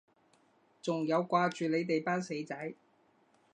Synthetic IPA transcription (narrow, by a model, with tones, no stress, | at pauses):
t͡sʊ˨ŋjɐ˨˧wkʷaː˧t͡ʃyː˨le˨˧jt̪e˨jpaː˥nse˨˧˥jt͡sɐ˨˥j